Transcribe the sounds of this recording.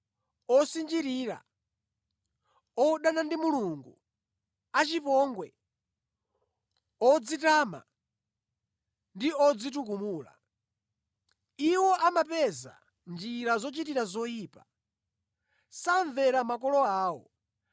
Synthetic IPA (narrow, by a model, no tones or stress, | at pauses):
ɔsind͡ʒiɾiɾa̰ | ɔɗanandimuluŋɡu | at͡ʃipɔŋɡwɛ | ɔd͡zitaːma̰ | ndiɔd͡zitukumuːla̰ | iwɔʔamapɛza̰ | nd͡ʒiɾazɔt͡ʃitiɾazɔjiːpa | saɱvɛɾamak̬ɔlɔaːwɔ̰